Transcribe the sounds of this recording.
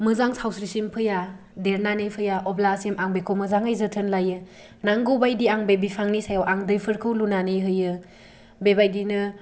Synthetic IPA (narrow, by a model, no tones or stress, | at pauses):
mɯzaŋsawsɾisimpʰɯja | deɾnanejpʰɯjaʔɔblasemʔaŋbekʰomɯzaŋajzɯtʰɯnlajɯ | naŋɡɯwbajdiaŋbebipʰaŋnisajawʔaŋdɯjpʰɯɾkʰɯwlunanɯjɦɯjɯ | bebajdinɯ